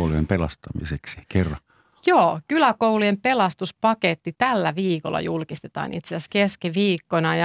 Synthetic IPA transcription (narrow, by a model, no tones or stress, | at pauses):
luempelɑst̪ɑmḭseksi̥kerːɑ | joːkylækouluempe̞lɑst̪uspɑket̪ːit̪ælːæʋiːkolːɑ̰julkist̪et̪ɑ̰ːnḭt̪sesæskeskiʋiːkːonɑjɑ